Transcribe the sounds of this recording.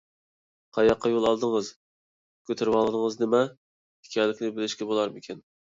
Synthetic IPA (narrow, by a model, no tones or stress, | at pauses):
qʰɑjɑqʰːɑjolˠɑlˠd̪ɨŋɨz | kʲʰøt̪ʰɪɾwɑlˠɨd̪ɨŋəznɪmɛ | ɪkʲʰɛlɪkʲnɪbɪlɪʃkʲɛbolˠɑɾmɪkʲʰɪn